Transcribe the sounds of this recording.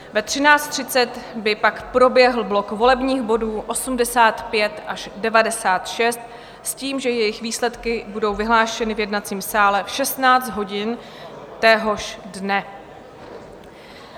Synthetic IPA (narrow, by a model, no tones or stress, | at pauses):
vɛt̪r̝̥ɪnaːt͡st̪r̝̥ɪt͡sɛt̪bɪpakpɾo̞bjɛɦl̩blo̞kvo̞lɛbɲiːxbo̞duːʔo̞sumdɛsaːt̪pjɛt̪ʔaʃdɛvadɛsaːt̪ʃɛst̪̚ | sciːmʒɛjɛjɪxviːslɛt̪kɪbudo̞wvɪɦlaːʃɛnɪvjɛdnat͡siːmsaːlɛfʃɛst̪naːt͡sd̪ɦoɟɪn | t̪ɛɦo̞ʃdnɛ